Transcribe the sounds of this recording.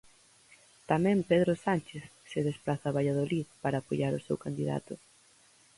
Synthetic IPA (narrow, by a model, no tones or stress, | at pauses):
t̪amɛ̃mpeðɾʊsanʲt͡ʃeθsɪðesplaθaβaʎað̞oliðpaɾaːpojaɾʊsewkand̪iða̰t̪ʊ